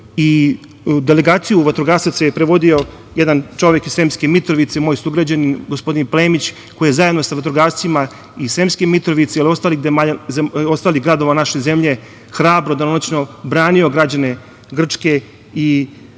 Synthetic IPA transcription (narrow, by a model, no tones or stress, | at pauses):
i | d̪ele̞ɡaːt̪sijuʋat̪ɾoɡaːst̪at̪sejepɾeʋo̞d̪io̞ | jed̪ant͡ʃo̞ʋjekise̞ːmskemit̪ɾoʋit̪semoːjsuɡɾad͡ʑaninɡospo̞d̪inpleːmit͡ɕ | ko̞jijezajed̪no̞saʋat̪ɾoɡaːɾst̪ima | isemskemit̪ɾoʋit̪seilio̞st̪aːlixd̪emazeo̞st̪aːliɣɡɾad̪o̞ʋanaʃeze̞mʎe̞ | xɾaːbɾod̪anonot͡ɕno̞bɾaːnio̞ɡɾad͡ʑane̞ | ɡr̩t͡ʂke̞ | i